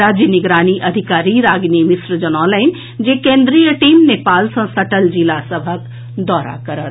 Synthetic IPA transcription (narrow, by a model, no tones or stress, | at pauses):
aːd͡ʒjənɪɡɾaːniʔɐd̪ʱɪkaːɾiɾaːɡnimɪsɾəd͡ʒənɔ̃ːlaɪn | d͡ʒekẽːnd̪ɾijəʈiːmneːpaːlsə̃səʈəld͡ʒilasəbʱək | d̪ɔːɾa̰kɐɾət̪